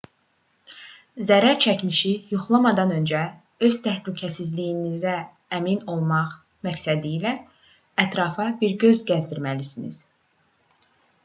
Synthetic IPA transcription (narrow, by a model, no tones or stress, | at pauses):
zæɾæɾt͡ʃʰæcmiʃijuχlˠɑmɑd̪ɑnø̞nd͡ʒæ | ø̞z̥t̪ʰæhlycʰæsizlijinizæː | mino̞lˠmɑʁ | mæcsæd̪iːlæː | t̪ʰɾɑfɑbiɾɟø̞zɟæzd̪iɾmælisinḭz̥